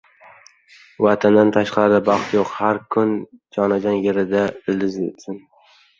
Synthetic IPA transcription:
vat̪ʰand̪ant̪ʰaʃqʰɑɾɪd̪abɑχt̪joqhaɾkʰʊnd͡ʒɒnad͡ʒɒnjeɾɪd̪aɪlɪzet̪sɪn

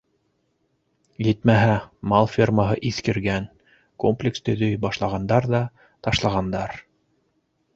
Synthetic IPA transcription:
jɘ̆t̪mæɦæmɑlˠfʲirməɦɤʔiθkɘ̆ɾɡæn | komplʲɪkst̪ɵ̆ðɵjbɑʃlˠɑʁɑnd̪ɑɾðɑ | t̪ɑʃlˠɑʁɑnd̪ɑɾ

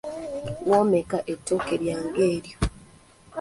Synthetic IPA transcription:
woːmekaʔetːoːkeɾjaːŋɡe̞ːɾjo

